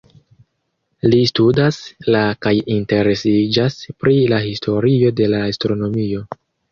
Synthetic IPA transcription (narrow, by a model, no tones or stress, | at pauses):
listudaslakajinte̞ɾe̞sid͡ʒaspɾilahistʰo̞ɾio̞de̞laːstɾo̞no̞mio̞